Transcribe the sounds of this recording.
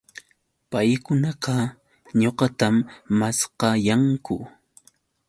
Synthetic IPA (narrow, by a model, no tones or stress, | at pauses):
pajkʊnɑqɑ | ɲoqɑt̪amːasqɑjaŋkʊ̰